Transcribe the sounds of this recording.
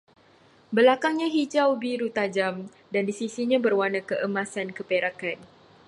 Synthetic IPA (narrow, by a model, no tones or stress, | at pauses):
bəlakaŋɲaɦid͡ʒawbiɾut̪ad͡ʒam | dandisisiɲãbərwanãkəʔəmasankəpeɾakan